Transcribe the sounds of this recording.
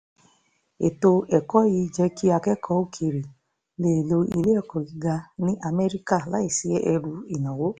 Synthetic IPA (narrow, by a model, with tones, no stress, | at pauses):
e˨to˧ɛ˨kɔ˨˦ji˧˦˧d͡ʒɛ˧˦kʰi˦a˧kɛ˦kʰɔ˧˦o˧˦kʰe˨ɾe˨ | le˦˨lo˧i˧le˦ɔ˦˨kɔ̃˨ɡi˧ɡa˧nĩ˦ʔa˧mɛ˦ɾi˦ka˦˨la˨˦i˦˨si˨˦ɛ˦ʔɛ˧ɾu˧i˨nã˨wo˨˦